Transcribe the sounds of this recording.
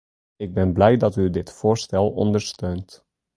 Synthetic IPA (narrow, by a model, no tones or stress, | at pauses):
ɪɡ̚bɛnblɛjdɑtydɪtfoːɹstɛlˠɔ̰ndəɹstøːnt